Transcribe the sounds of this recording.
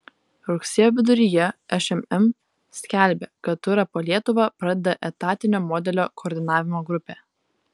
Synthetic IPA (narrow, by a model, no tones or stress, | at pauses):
ɾʊksʲiɛjoːʋʲɪd̪ʊɾʲijɛɛʃɛmɛm | sʲkʲæˑlʲbʲekɐt̪t̪ʊɾɐpoːlʲiɛt̪ʊʋɑpɾɐd̪ʲɛd̪ɐʔɛt̪ɑːt̪ʲɪnʲoːmɔːd̪ʲɛlʲoːkʰoːɾʲd̪ʲɪnɑːʋʲɪmoːɡɾʊpʲeː